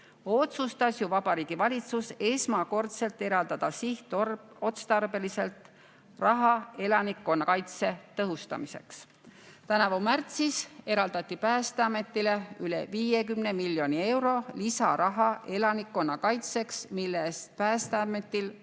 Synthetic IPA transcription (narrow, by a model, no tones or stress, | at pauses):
o̞t̪sust̪ɑsjuvɑb̥ɑɾiːɡ̥ivɑlʲit̪suse̞smɑko̞rt̪se̞lt̪ːe̞ɾɑld̪ɑd̪̥ɑsiht̪ | o̞t̪st̪ɑrbe̞lise̞lt̪ | rɑɦɑe̞lɑnikːo̞nːɑkɑjt̪se̞t̪ɤɦust̪ɑ̰mise̞̰ks | t̪ænɑvɑmært̪sise̞ɾɑld̪̥ɑt̪ˑːipæːst̪eɑme̞t̪ːˑile̞yle̞̰viːjekymnemilːjo̞nie̞wɾo̞lisɑɾɑɦɑe̞lɑnikːo̞nːɑkɑjt̪se̞ksmilːest̪̚pæːst̪eɑmet̪ːil